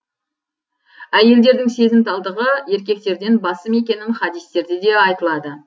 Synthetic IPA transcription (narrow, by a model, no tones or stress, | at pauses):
æje̞ld̪e̞ɾd̪ɪŋse̞zɪmt̪ɑlˠd̪əʁəe̞ɾkʲe̞k̚t̪e̞ɾd̪e̞nbɑsəme̞kʲe̞nɪnχɑd̪ijst̪e̞ɾd̪ɪd̪e̞ɑjt̪əlˠɑd̪ə